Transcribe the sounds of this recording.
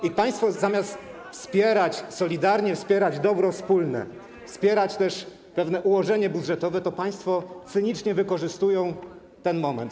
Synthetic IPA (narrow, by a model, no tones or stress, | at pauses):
ipaj̃st̪fɔzamʲjast̪ | fspʲjɛɾat͡ɕsɔlʲid̪aɾɲɛfspʲjɛɾad͡ʑd̪ɔbɾɔfspulnɛ̰ | fspʲjɛɾat͡ɕt̪ɛʂ | pɛvn̪ɛʔuwɔʐɛɲɛbud̪ʐɛt̪ɔvɛt̪ɔpaj̃st̪fɔt̪sɘɲit͡ʂɲɛvɘkɔʐɘst̪ujɔ̃w̃ | t̪ɛnmɔmɛ̰nt̪